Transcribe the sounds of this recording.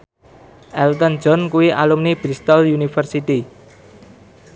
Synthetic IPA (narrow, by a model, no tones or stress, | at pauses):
ʔɛlt̪ən̥d͡ʒɔnkuwiʔalumnibɾist̪əljunifərsit̪i